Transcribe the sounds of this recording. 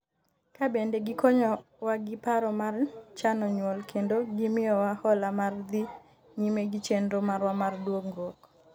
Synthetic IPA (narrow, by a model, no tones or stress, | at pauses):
kabendeɡɪkoɲɔ | waɡɪpaɾɔmart͡ʃanɔɲwɔlkʰendoɡimɪjɔwahɔlamard̪i | ɲimeɡit͡ʃendomaɾwamardwokŋɡok